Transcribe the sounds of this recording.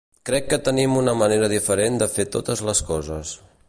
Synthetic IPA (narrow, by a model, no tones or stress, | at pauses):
kɾɛkːət̪ənimunəməneɾəðifəɾend̪əfet̪ot̪əzləskɔzəs